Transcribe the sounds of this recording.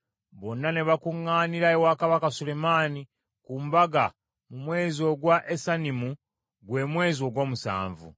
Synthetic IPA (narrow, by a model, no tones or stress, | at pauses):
βo̞nːane̞βakuŋːaːniɾaewakaβakasulemaːni | kuːmbaɡa | mumwe̞ːzo̞ɡwaʔesanimu | ɡwe̞ːmwe̞ːzio̞ɡwo̞ːmusa̰ːɱvṵ